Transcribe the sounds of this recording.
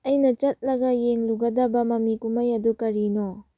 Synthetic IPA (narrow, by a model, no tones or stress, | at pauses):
ɐjnɐt͡ʃɐt̚lɐɡɐjeŋluɡɐdɐbɐmɐmikumɐjɐdukɐɾino